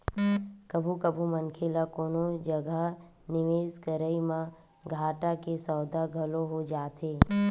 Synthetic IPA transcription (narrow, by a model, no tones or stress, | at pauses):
kəbʱukəbʱumənkʰelakoːnod͡ʒəɡʱə | nɪʋeːskəɾəimã | ɡʱaːʈakesɔːd̪ʱaɡʱɐloɦod͡ʒaːt̪eː